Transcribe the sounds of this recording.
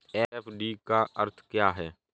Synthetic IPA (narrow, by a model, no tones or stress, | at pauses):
eːfʰɖiːkaʔəɾt̪ʰkjaːɦɛː